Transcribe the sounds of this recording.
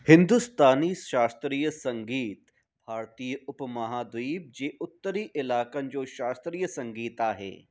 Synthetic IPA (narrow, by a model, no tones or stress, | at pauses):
hɪ̃nd̪ust̪aːniːʃaːst̪ɾiːjəsɐ̃ŋɡiːt̪ | bʱaːɾt̪iːjəʊpmɐɦaːd̪ʋiːb̚d͡ʒeːʊt̪ːəɾiːʔɪlaːkənd͡ʒoːʃaːst̪ɾiːjəsɐ̃ŋɡiːt̪aːɦḛː